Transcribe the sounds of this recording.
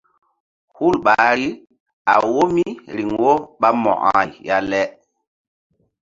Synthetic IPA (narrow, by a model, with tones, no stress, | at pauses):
hu˦˨lɓa˨˦ɾi˦ | a̰˨wo˦mi˦ɾi˨ŋwo˦ɓa˦mɔ̰˨ʔã̰ː˦˨jja˦lɛ˦